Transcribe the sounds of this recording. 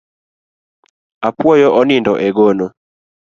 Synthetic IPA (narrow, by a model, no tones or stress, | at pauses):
apwɔjɔʔɔnindɔʔɛɡono